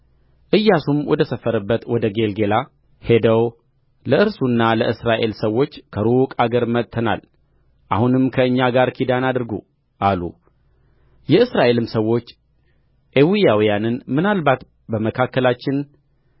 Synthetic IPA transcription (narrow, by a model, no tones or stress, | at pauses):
ʔɨjːasumwɔd̪əsəfːəɾɨbːət̪wɔd̪əɡe̞lɡe̞la | he̞d̪əw | ləʔɨɾsunːaləʔɨsɾaʔe̞lsəwːo̞t͡ʃːkʰəɾukʼaɡəɾmət̪ʼʰːəna̰l | ʔahunɨmkʰəɨɲːaɡaɾkʰid̪anad̪ɨɾɡṵ | ʔalṵ | jɛɨsɾaʔe̞lɨmsəwːo̞t͡ʃː | ʔewijawijanɨnmɨnalbat̪ | bəməkʰakːəlat͡ʃːɪn